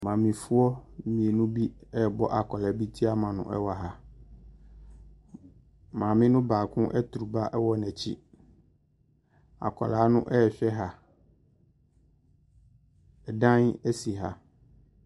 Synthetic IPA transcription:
mã˨mɪ̃˨fʊ˦ɔ˦mĩ˨e˨nʊ̃˦bi˦ɛ˦˨bɔ˦ʔa˨kʰɔ˨la˨˦bi˦tʰi˦a˦mã˨nʊ̰̃˨ʔɛ̰˦wa˨ɦa˨ | mã˨mɪ̃˦nʊ̃˦baː˨kʰʊ̃˦ʔɛ˦tu˨ɾu˨ba˦ʔɛ˦wɔ˦nɛ̃˨t͡ɕʰḭ˦ | a̰˨kʰɔ̰˨laː˨˦nʊ̰̃˦ʔɛ˦ɛ˨ɕᶣɛ˦ɦa˨ | ɛ˨dã˦nɛ˦si˨ɦa̰˨

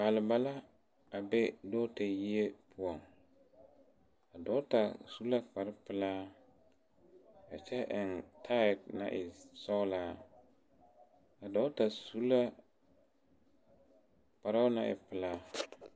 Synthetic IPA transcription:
paː˨lɪ˨ba˦la˦ | a˨be˦do˦te˨ji˦e˦pʰʊ˦ɔ˨ŋ | a˨dɔ˦ta˨su˦la˦k͡pa˨ɾɪ˦pɪ˨laː˦ | a̰˨t͡ʃɛ˦ʔɪ˨ntʰa˦ɪ˨tna̰˦ʔɪ˨sɔ˦laː˦ | a˨dɔ˦ta˨su˦la˦ | k͡pa˨ɾa˦na̰˦˨ʔɪ̰˨pɪ˨laː˦

